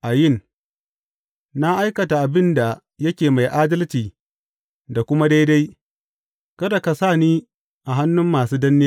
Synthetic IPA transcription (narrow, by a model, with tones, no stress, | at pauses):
ʔa˨jɪ˦˨n | na˦ʔa˦jkɐ˨ta˨ʔa˨bɪ˦nda˨ | jɐ˦kʲeː˨ma˨jʔaː˦dɐ˦lt͡ʃiː˨ | da˨kʷʊ˦ma˦da˦jda˦j | kɐ˦da˨ka˨saː˦˨niː˦ | ʔa˨ɦa˦nːʊ˦mːaː˨suː˦dɐ˦nːɪ˦˨